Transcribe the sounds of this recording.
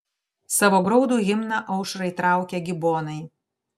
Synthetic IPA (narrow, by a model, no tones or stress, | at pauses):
sɑːʋoːɡɾɔʊd̪uːɣʲɪmnɐʔɐʊʃɾɐɪt̪ɾɑˑʊkʲɛɡʲɪboːnɐɪ